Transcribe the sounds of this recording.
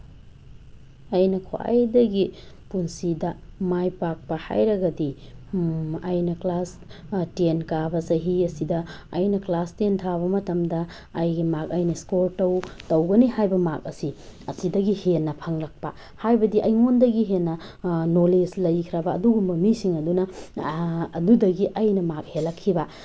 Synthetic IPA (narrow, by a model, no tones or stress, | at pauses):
ɐjnɐkʰwa̰jdɐɡi | punsidɐmajpak̚pɐha̰jɾɐɡɐdi | ɐjnɐklas | tenkabɐsɐɦiɐsidɐːjnɐklastentʰaβɐmɐtɐmdɐː | jɡimak̚ɐjnɐskoɾtɐwtɐwɡɐnihajbɐmak̚ɐsiɐsidɐɡihenːɐpʰɐŋlɐk̚pɐ | hajbɐdiʔɐjŋondɐɡiɦenːɐnoleslɐjkʰɾɐbɐːduɡumbɐmisiŋɐdunɐː | dudɐɡiʔɐjnɐmak̚helɐkʰːibɐ